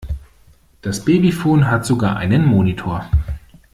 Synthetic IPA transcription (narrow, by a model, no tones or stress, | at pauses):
d̥asb̥eːbifoːnɦatz̥oɡa̰ːɐʔa̰ɪnənmoːnitʰoːɐ